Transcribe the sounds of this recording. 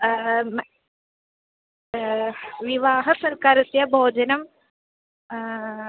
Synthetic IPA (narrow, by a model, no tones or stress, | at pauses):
m | ʋiʋaːɦɐsɐɾkaːɾɐt̪ːijɐbʱoːd͡ʑɐnɐm